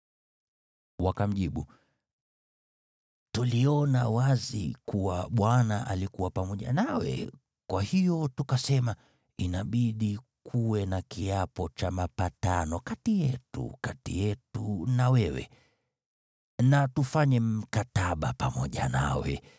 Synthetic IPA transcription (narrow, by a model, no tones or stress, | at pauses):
wakam̩ʄiɓu | tuliɔnawazḭkuwaɓwanaʔalikuwapamɔʄa̰nawɛ̰ | kwahijɔtukasɛma | inaɓiɗikʰuwɛnakiapɔt͡ʃamapatanɔkatijɛtṵkatḭjɛtunawɛwɛ̰ | natufaɲɛm̩kataɓapamɔʄana̰wɛ̰